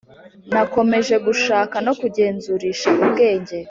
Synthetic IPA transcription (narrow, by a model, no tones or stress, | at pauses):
nako̞me̞ʒe̞ɡuʃaːkano̞kuɟe̞ːnzuɾiːʃaʔubɡe̞ːɲɟe̞